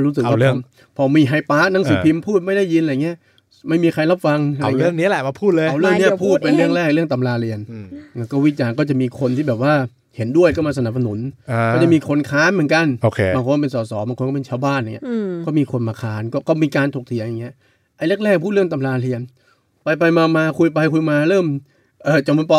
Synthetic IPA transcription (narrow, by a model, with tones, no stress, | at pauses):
ɾuː˦˥s̬ɯ˨kwa˧˩ɯ˥˩˧ | pʰɔ˧miː˧ɦa˧jpaː˦˥ʔna˦˥ŋsɯː˨˧˦pʰi˧mpʰuː˥˩t̪̚ma˥˩jda˥˩ji˧nʔa˧jŋi˦˥ɐ | ma˥˩jmiː˧kʰa˧jla˦˥p̚fa˧ŋ˧a˧˨lːəŋni˦˥˨lɛ˨˩ma˧pʰuː˥˩t̪̚lːwɾɯ˥˩ni˦˥pʰuː˥˩t̪̚pe˧nɾɯ˥˩əŋɾɛː˥˩k̚lɯ˥˩əŋt̪a˧mlaː˧ɾi˧ənʔːkɔː˥˩wiː˦˥t͡ɕaː˧nk̬ɔː˥˩t͡ɕa˨˩ʔmiː˧kʰo˧nt̪ʰiː˥˩bɛː˨˩p̚waː˥˩ | he˩˦ndu˥˩əjkɔː˥˩maː˧s̬a˧na˨˩p̚s̬a˧nu˨˩˦na˧kɔ˥˩t͡ɕa˨˩miː˧kʰo˧nkʰaː˦˥nmɯ˩˦nka˧noː˧˩kʰːba˧ŋkʰo˧˥˧pe˧nsɔː˩˦sɔː˩˦baː˧ŋʰo˧nkɔ˥˩pe˧nt͡ɕʰaː˧wbaː˥˩nʔa˨˩ŋi˦˥kɔː˥˩miː˧kʰo˧nmaː˧kʰaː˦˥nkɔː˥˩kɔː˥˩miː˧kaː˧nt̪ʰoː˨˩k̚t̪ʰi˩˦ja˨˩ŋːi˦˥ɐʔ | ʔa˧jle˥˩k̚lɛː˥˩k̚ʰu˥˩t̪̚ɾəŋt̪a˧mlaː˧ɾi˧ən | pa˧jp̬a˧jmaː˧maː˧kʰu˧jp̬a˧jkʰu˧jmaː˧ɾɤː˥˩m | ʔɤː˧˩t͡ɕa˨˩mu˧˦npɔ˧